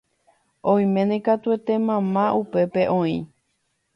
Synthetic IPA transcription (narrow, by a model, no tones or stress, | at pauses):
õĩj̃mẽ̞nẽkat̪uet̪e̞mãmãʔupe̞pe̞ʔõĩ